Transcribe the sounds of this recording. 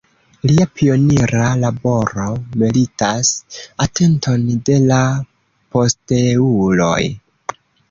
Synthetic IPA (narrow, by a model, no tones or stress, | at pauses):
liapio̞niɾalabo̞ɾo̞melitasatʰe̞ntʰo̞nde̞la | po̞steulo̞̰j